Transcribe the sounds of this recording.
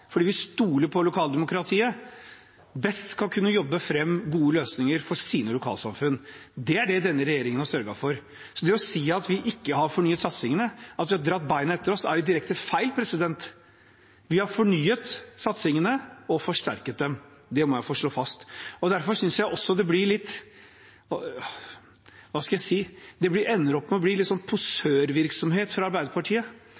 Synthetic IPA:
fɔɖiːʋɪst̪uːləɾpʰɔlʊkʰɑːld̪ɛmʊkʰɾɑt̪ʰiːə | bɛst̪skɑlkʰʉnːəjɔbːəfɾɛmːɡuːəløːsnɪŋəɾfɔsiːnəlʊkʰɑ̰ːlsɑmfʉnːd̪ɛæɖɛd̪ɛnːəɾɛjeːɾɪŋənhɑsœɾɡɑfɔɾ | sɔd̪ɛɔsiːɑt̪ʋɪʔɪkːəɦɑɾfɔɳyːət̪sɑt̪sɪŋənəɑt̪ʋɪhɑɾd̪ɾɑt̪ːbæɪnəɛt̪ːəɾɔsæɾjʊd̪ɪɾɛkt̪əfæɪlpʰɾɛsɪd̪ɛnt̪ | ʋɪhɑɾfɔɳyːət̪sɑt̪sɪŋənəɔfɔʂʈæ̰ɾkət̪̚d̪ɛmd̪ɛmɔjæɪfɔʂɭoːfɑst̪ɔd̪æɾfɔɾʂʏnsjæɪʔɔsːɔd̪ɛblɪɭɪt̪ː | ʋɑːskɑljæɪsiːd̪ɛblɪɾʔɛnːəɾɔpːmɛɔbliːlɪt̪sɔnpʰʊsøːɾʋɪɾksɔmheːt̪fɾɑɑɾbæɪd̪əɾpʰɑʈʰiːə

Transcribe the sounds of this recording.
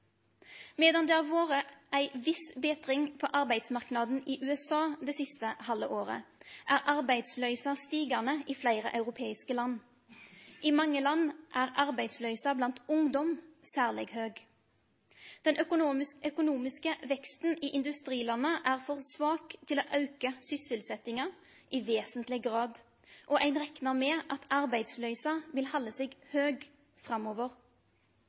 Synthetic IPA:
meːd̪ɑnd̪ɛæʁʋoːʁəʔæɪʋɪsbɛːt̪ʁɪŋpʰɔʔɑʁbæɪd̪smɑʁknɑd̪n̩iːʔʉːɛsɑːd̪ɛsɪst̪əhɑləʔoːʁə̰ʔæʁʔɑʁbæɪd̪slœʏsɑst̪iːɡɑnəiːflæɪʁə̰ʔɑʉʁʊpʰeːɪskəlɑnː | ʔimɑŋːəlɑnːʔæːʁɑʁbæɪd̪slœʏsɑblɑnt̪ʊŋd̪ɔmsæːʁlɛ̰ɡhøːɡ | d̪̥ɛnʔœkʊnɪœkʊnuːmɪskəʋɛkst̪n̩ɪʔɪnd̪ʉst̪ʁiːlɑnːəʔæːʁfɔʁsʋɑːkt̪ʰɪloːʔɑʉkəsʏsɪlsɛt̪ɪŋɑ | ʔɪʋeːsənt̪lɪɡʁɑːd̪ | ʔɔʔæɪnʁɛknɑʁmɛːʔɑt̪ʰɑʁbæɪd̪slœʏsɑʋɪlhɑlːəsɛːɡhøːɡ | fʁɑmoːʋəʁ

